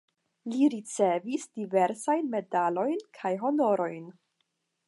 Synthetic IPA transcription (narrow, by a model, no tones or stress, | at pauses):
liɾit͡se̞visdive̞ɾsajnme̞dalo̞jnkʰajɦo̞no̞ɾo̞jn